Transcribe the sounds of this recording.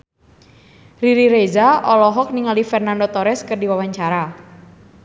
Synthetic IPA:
riɾiɾezaʔɔlɔɦɔk̚niŋalifɛrnandot̪ɔɾɛskərdiwawaɲt͡ʃaɾa

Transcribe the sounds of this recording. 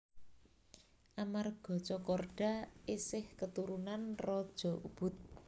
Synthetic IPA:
ʔamarɡ̥ɔ̤t͡ʃɔkɔrɖ̥a̤ɪsɪhkət̪uɾunanrɔd̥ʒ̥ɔ̤ʔṵb̥ʊ̤t̪̚

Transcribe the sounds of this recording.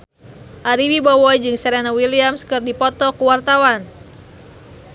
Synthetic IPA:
ʔaɾiwibɔwɔid͡ʒɨŋsɛɾɛnawiliamskɨrdipɔt̪ɔkuwart̪awan

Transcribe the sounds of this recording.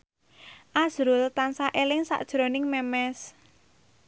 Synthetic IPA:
ʔaz̥ɾʊlt̪ansaʔelɪŋsa̰ʔd̥ʒ̥ɾo̤nɪŋmɛmɛs

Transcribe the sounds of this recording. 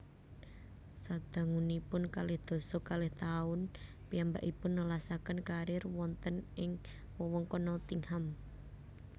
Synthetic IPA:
sad̪̥a̤ŋunipʊnkalɪhd̪̥o̤sɔkalɪht̪aʊn | piamba̰ʔipʊnːəlasakənkaɾɪrwɔnt̪ənʔɪŋ | wɔwɔŋkɔnɔt̪iŋham

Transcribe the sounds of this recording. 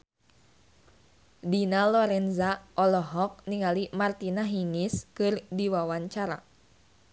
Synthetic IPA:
dinalɔɾɛnzaʔɔlɔɦɔk̚niŋalimart̪inaɦiŋiskɨrdiwawaɲt͡ʃaɾa̰

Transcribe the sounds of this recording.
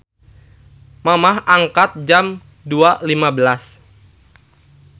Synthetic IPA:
mamaɦaŋkat̪̚d͡ʒam | dualimabəlas

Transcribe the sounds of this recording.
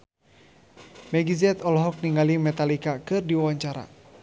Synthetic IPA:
mɛɡizɛt̪ɔlɔɦɔk̚niŋalimɛt̪alikakɨrdiwawaɲt͡ʃaɾa̰

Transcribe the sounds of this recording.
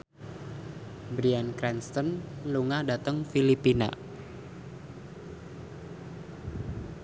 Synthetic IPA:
bɾiankɾɛnst̪ɔnluŋadat̪əŋfilipina̰

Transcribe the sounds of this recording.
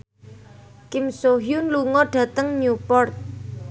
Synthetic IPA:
kɪmsoɦjunluŋɔɖ̥ä̤t̪əŋɲupɔrt̪̚

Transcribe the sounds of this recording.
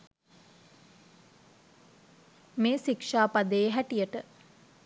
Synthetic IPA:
meːʃikʂaːpad̪əːɦæʈijəʈə

